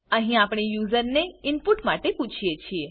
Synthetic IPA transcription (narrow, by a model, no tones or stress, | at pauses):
əɦĩapɳ̃ijuzəɾneɪnpuʈmaʈeput͡ʃʰijet͡ʃʰie